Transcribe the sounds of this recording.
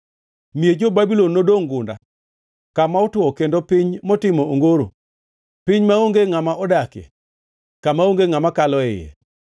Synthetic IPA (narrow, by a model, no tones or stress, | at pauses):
mied͡ʒobabilɔnːodoŋɡʊnda̰ | kamaotʊɔkendopɪɲmɔtɪmɔoŋɡoɾo̰ | pɪɲmaoŋɡeŋamaʔɔdakḛ | kamaoŋɡeŋamakalɔɛ̰jḛ